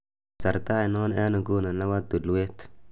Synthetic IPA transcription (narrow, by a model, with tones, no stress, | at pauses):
sa˨ɾta˦i˨nɔ˦n˦ɛ˦na˨ɡu˦na˨na˦wa˦d̪u˨lwe˦t